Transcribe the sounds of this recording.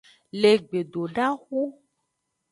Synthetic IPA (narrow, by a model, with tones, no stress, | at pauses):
le˨ɡ͡be˨ɖo˨ɖa˦xu˦